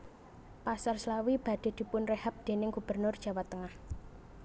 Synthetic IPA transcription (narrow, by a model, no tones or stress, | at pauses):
pasarslawib̥a̤d̪̥e̤d̪̥i̤pʊnrehap̚d̪̥e̤nɪŋɡ̥ub̥ərnʊrd̥ʒ̥ä̤wat̪ːəŋah